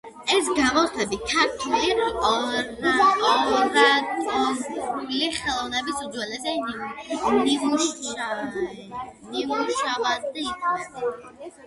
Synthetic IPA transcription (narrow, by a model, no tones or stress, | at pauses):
ɛs̬ɡamɔt̪ʰɛbit̪ʰaɾt̪ʰiliɔ | ɔɾat̪ʼɔ | liχɛlˠɔvnɛbisud̪zwɛlɛsɛ | nimuʃ | nimuʃavasd̪aikʰnɛt̪